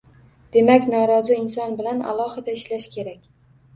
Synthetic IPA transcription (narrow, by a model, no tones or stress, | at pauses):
d̪̥e̞makʲnɒɾɒzɪɪnsɒnbɪlana̰lˠɒhɪd̪aɪʃlaʃkʲʰe̞ɾakʲ